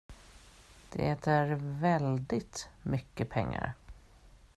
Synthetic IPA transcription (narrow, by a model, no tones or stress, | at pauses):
d̪̥ɛ̰ɛt̪æɾvɛld̪ɪt̪mʏkːəpʰɛŋːa̰ɾ